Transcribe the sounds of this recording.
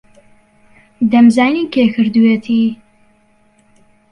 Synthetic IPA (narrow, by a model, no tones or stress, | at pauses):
d̪ɐmzaːniːkeːkʰɨɾd̪uweːt̪ʰiː